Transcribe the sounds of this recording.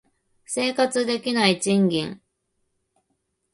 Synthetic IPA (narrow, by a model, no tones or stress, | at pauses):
se̞ːkat͡sɨd̪e̞kʲinait͡ɕĩŋɡʲḛ̃ŋ